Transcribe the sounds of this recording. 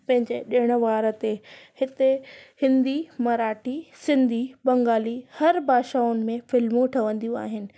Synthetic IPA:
pɐ̃ɦɪ̃ɲd͡ʑeɗɪɪɽ̃ʊ̆ʋaːɾə̆t̪ehɪt̪ehɪ̃nd̪imɐɾaːʈisɪ̃nd̪ʱibɐ̃ŋɡaːlihɐɾbʱaːʃaːʊnɪ̆mẽfɪlmũʈʰɐʋə̃n̆d̪ijũa̰ːɦɪnɪ̆

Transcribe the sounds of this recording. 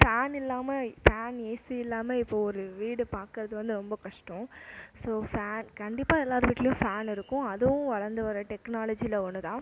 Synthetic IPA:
faːnɪlːaːmɐfaːneːsiɪlːaːmeɪpːoːɔɾɯʋiːɽɯpaːɾkɯɾɐðɯʋɐnd̪ɯɾɔmbɐkɐʂʈɔ̃soːfaːnkɐɳɖɪpːaːɛlːaːɾɯʋiːʈːlɐjʊ̃faːnɪɾɯkːʊ̃ɐðɯʋʊ̃ʋɐɻɐɾnd̪ɯʋɐɾɐʈɛknaːlɐd͡ʒilɐonːɯt̪ãː

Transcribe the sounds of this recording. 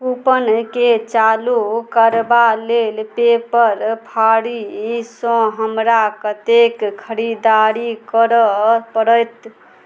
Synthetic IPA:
pupənket͡ʃalukəɾbalelpepəɾpʰaɽisɔ̃ɦəmɾakət̪ekkʰəɾid̪aɾikəɾəpəɾəjt̪

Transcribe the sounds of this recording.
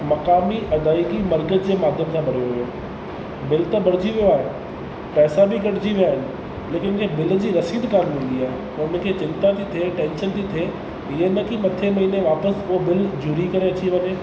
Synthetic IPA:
mɐkaːmiʔɐd̪aːikimɐɾɡət̪d͡ʑeːmaːd̪ʱjəmt̪ʰãbɐɽ̤joɦʊjoː | bɪlt̪abɐɽ̤ɪd͡ʑiʋijoaːɦe | pɛːsabʱikɐʈd͡ʑiʋijaːɦɪnɪ̆ | leːkɪnkʰebɪld͡ʑiːɾɐsiːd̪kaːlĩːn̆d̪iaːɦe | ɐmʊ̃ɪ̃kʰet͡ɕɪ̃nt̪at̪ʰit̪ʰeʈẽːnʃənt̪ʰit̪ʰeː | ɪɦenɐkimɐt̪ʰemɐɦiːneʋaːpəsʊɦobɪld͡ʑʊːɾikɐɾeɐt͡ɕiʋɐɲeː

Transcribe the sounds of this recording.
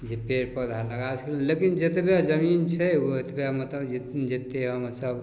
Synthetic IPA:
d͡ʒepeɾpəd̪ʱaləɡasə̥klelekind͡ʒet̪bjad͡ʒəmint͡ʃʰɛoet̪bjamət̪ləbd͡ʒet̪nd͡ʒet̪ːeɦəmɾsəb

